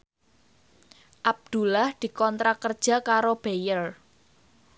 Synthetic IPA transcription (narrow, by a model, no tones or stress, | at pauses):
ʔab̚d̪̥ṳlahd̪̥i̤kɔnt̪ɾakərd̥ʒ̥a̤kaɾob̥ejəl